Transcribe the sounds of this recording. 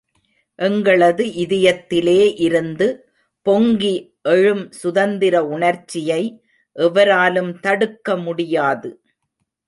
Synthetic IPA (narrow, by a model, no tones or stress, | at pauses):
ʔɛŋɡɐɭɐðɯʔɪðɪjɐt̪ːɪleːʔɪɾɯnd̪ɯ | pɔŋɡi | ʔɛɻɯmsʊðɐnd̪ɪɾɐʊɳɐɾt͡ʃːɪjɐɪ | ʔɛʋɐɾaːlɯmt̪ɐɽɯkːɐmʊɽɪjaːðɯ